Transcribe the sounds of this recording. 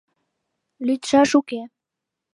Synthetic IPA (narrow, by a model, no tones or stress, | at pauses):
lyt̪ʃɑʃuke